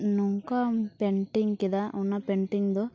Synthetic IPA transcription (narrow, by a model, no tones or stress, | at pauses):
nuŋkapeɳʈiŋɡkid̪aʔunːɐpeɳʈiŋɡd̪oː